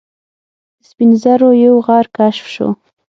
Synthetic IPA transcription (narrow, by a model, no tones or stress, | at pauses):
d̪əspinzaɾojawɣɑɾkaʃfʃo̰